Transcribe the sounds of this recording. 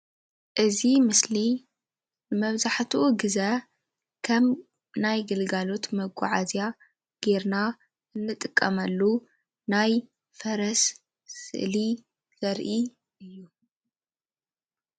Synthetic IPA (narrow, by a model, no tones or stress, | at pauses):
ʔɨzimɨsli | bɨmɐβzaħt̪ʰuuɡɨza | kʰɐm | najɡɨlɡalo̞t̪mɐɡʷʼa̰ʕazja | ɡ̥e̞ɾna | ʔɨnːɨt̪ʼɨkʼːɐmɐlːu | naj | fɐɾɐs | sɨ̰ʔli | z̥ɐɾʔi | ʔɨjːu